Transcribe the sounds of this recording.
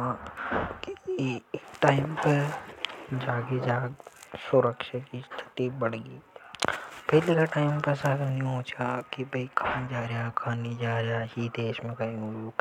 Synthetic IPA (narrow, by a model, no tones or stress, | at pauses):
ãkː | ʈaːɪmpɐɾ | d͡ʒaːɡed͡ʒaːɡsʊɾəkʃakist̪ʰɪ̥t̪ibɐɽ̤ɡiː | pɛɦlekaʈaːɪmpɐɾsaːkəjũɦoːt͡ʃʰakibʱɐikʰaːnid͡ʒaːɾjakʰaːnid͡ʒaːɾaɦid̪eːʃmẽkaiuuk